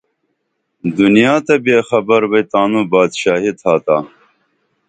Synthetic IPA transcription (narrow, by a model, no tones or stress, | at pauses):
d̪unijaːt̪ɐbeːxɐbɐɾbɐjt̪aːnuːbaːd̪ɕaːɦit̪ʰaːt̪aː